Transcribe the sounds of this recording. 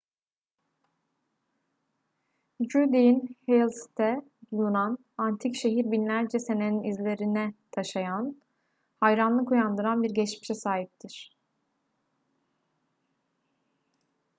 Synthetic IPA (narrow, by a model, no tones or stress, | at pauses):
d͡ʒuɾd̪ijinhelʲˠst̪ʰɛ | bulˠunan | ant̪ʰicʃe̞ɦiɾbinlʲæɾd͡ʒɛse̞neninizlʲe̞ɾinɛt̪ʰaʃajan | hajɾanlˠɯkujand̪ɯɾanbiɾɟɛt͡ʃmiʃɛsaːɦip̚t̪ʰiɾ̥